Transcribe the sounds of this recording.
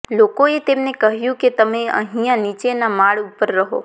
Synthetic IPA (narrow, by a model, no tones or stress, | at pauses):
lokoet̪emnekəɦjũket̪əmeə̰̃ɦijãnit͡ʃenamaɭupəɾːəɦo̰